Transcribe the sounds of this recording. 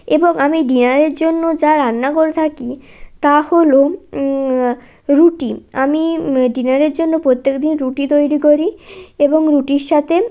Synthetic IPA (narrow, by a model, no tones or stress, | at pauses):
eboŋamiɖinaɾeɾd͡ʑonːod͡ʑaɾanːaɡoɾt̪ʰakit̪aholo | ɾuʈiamiɖinaɾeɾd͡ʑonːopɾot̪ːekd̪inɾuʈit̪ojɾikoɾieboŋɾuʈiɾʃat̪ʰe